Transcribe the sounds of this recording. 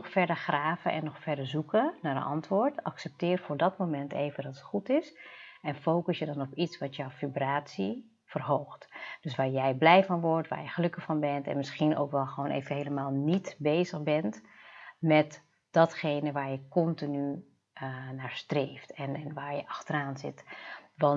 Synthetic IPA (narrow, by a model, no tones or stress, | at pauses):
ɔxfɛɹdərxraːvə̰ʔɛ̰nːɔxfɛɹdəɹzukənaːɾə̰nʔɑntʋʊːɹtɑ̰ksɛp̚tɪːrfʊːɹdɔtmomɛntḛːvədɔtətχutɪsɛnfowkəsjədɔnɔpitsʋɑtjvibraːtsi | fərɦowxtd̥øsʋaːɹjɛjblɛjfɔnʋɔrtʋa̰ːrjɛχəløkəxfɑnbɛntɛ̰nmɪsχinʔo̰wkʋɛlˠχəʋoːnʔḛːvənɦejləmaːlˠnitbeːzəxbɛntmɛt | d̥ɔtχejnəʋaːɹjəkɔntiny | naːɹstreːftɛnnʋaːɹjəʔɑxtəraːnzɪ̰tʋɑn